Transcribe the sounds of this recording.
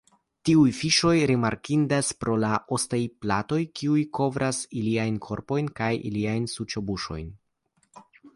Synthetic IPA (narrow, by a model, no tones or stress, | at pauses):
tiujfiʃo̞jɾimaɾkindaspɾʔo̞laʔo̞stajplato̞jkiujko̞vɾʔasiliajnkʰo̞ɾpo̞jnkajḭliajnsut͡ʃobuʃo̞̰jn